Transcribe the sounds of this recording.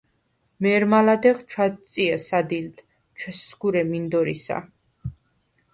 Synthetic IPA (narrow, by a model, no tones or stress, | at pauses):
mɛːɾmalad̪ɛʁt͡ʃʰwad̪̚t̪sʼiasad̪ild̪ | t͡ʃʰɛsːɡuɾɛmind̪ɔɾḭsa̰